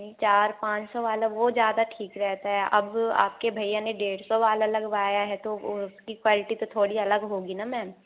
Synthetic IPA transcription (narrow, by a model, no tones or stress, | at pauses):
it͡ʃaːɾpãːt͡ʃsɔʋaːlaʋod͡ʒjaːd̪aʈʰiːkɾɛɦt̪aɦɛʔɐba̰ːp̚kebʱɐijãneɖeːɽsɔʋaːlalɐɡʋaːjaɦɛt̪oʊskikwaːlɪʈit̪ot̪ʰoːɽiɐləɡɦoːɡinamɛ̃ː